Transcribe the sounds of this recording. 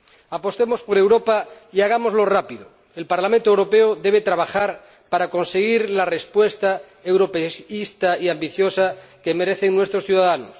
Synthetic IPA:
apost̪emospoɾewɾopa | iaɣ̞amozlorapiðo | elpaɾlamẽnt̪oewɾopeoðeβ̞et̪ɾaβaxaɾ | paɾako̞nseɣiɾlarespwest̪a | ewɾopeist̪aiambiθjosakemeɾeθeŋnwest̪ɾosθjuðaðanos

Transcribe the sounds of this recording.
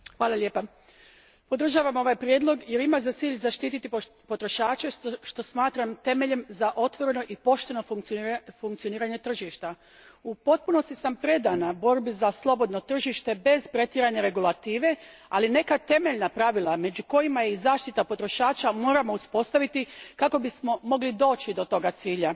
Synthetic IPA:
xʋaːlˠaljeːpa | po̞d̪ɾr̩ʒaːʋamo̞ʋajpɾje̞d̪lo̞ɡje̞ɾimazat̪siːʎzaʃt̪iːt̪it̪i | po̞t̪ɾo̞ʃaːt͡ʃeʃt̪o̞smaːt̪ɾamt̪e̞me̞ʎe̞mzaʔo̞t̪ʋo̞ɾe̞no̞ʔipo̞ʃt̪e̞no̞ffuŋkt̪sio̞niːɾaɲe̞t̪r̩ʒiʃt̪a | upo̞t̪̚puno̞st̪isampɾe̞d̪anabo̞ɾbizaslˠo̞bo̞d̪no̞t̪r̩ʒiʃt̪e̞be̞zpɾe̞t̪jiɾaɲaɾe̞ɡulˠat̪iːʋe̞ | aline̞kat̪e̞me̞ʎnapɾaʋilˠame̞d͡ʑuko̞jimajeizaːʃt̪it̪apo̞t̪ɾo̞ʃaːt͡ʃamo̞ːɾamouspo̞st̪aʋit̪ikako̞bismo̞mo̞ɡlid̪o̞ːt͡ɕid̪o̞t̪o̞ɡat̪siːʎa

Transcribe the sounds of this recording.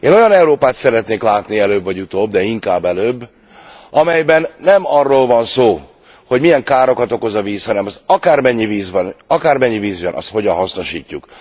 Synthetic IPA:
eːno̞jɒnɛuɾoːpaːt̪sɛɾɛt̪neːklaːt̪niɛløːbvɒɟut̪oːbd̪ɛiŋkaːbːɛløːbː | ʔɒmɛjbɛnːɛmɒrːoːlvɒnsoː | ho̞ɟmijɛŋkaːɾo̞kɒt̪o̞ko̞zɒviːshɒnɛmɒzɒkaːrmɛɲːiviːzbɒnɒkaːrmɛɲːiviːzjɛnʔɒ̰st̪ho̞ɟɒnɦɒsno̞ʃiːcːuk

